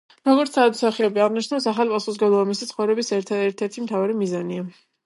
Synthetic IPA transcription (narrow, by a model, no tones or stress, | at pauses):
ɾɔɡɔɾt̪sʰaːt̪ʰɔ̥saχiɛbiaʁniʃnafsaχalipʼasuχizɡalˠɔamisit̪sχɔvɾɛbisɛɾt̪ʰad̪ɛɾt̪ʰɛɾt̪ʰimt̪ʰavaɾimizania